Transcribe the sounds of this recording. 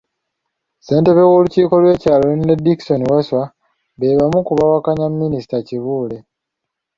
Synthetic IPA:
se̞ːnte̞βewoluciːko̞lwe̞ːcaːlone̞diki̥so̞niwaswa | βe̞ːβamukuβawakaɲamːinisi̥taciβuːle̞

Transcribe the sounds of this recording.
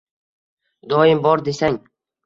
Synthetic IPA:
d̪ɒjɪmbɒɾd̪e̞saŋ

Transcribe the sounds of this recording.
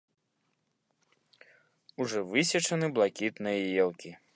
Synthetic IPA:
uʐɔvɨsʲɐt͡ʂɐnɨblˠakʲit̪nɨjɐjɛlˠkʲi

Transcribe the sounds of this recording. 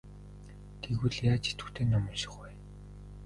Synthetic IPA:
ɡ̥eɣŭɮjaːt͡ɕʰi̥t̪ɘ̥̆t̪ʰeːnːɔmʊːɮʃɪ̥̆χwæː

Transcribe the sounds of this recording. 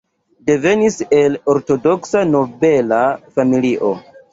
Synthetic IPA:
de̞ve̞nise̞lo̞ɾto̞do̞ksano̞be̞lafamiliʔo̞̰

